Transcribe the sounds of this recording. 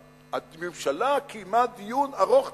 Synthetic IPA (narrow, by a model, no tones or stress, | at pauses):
amemʃalakʰijmat̪̚d̪ijunaʁoχ